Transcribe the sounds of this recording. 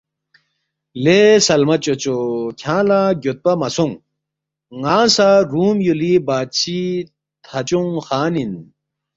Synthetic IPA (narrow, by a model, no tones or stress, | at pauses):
lesɐlmɐt͡ɕot͡ɕokʰãːlaɡot̪̚pɐmɐsuŋ | ŋaːsaɾuːmjulibaːt̪t͡ɕʰi | t̪ʰɐt͡ɕuŋxaːnin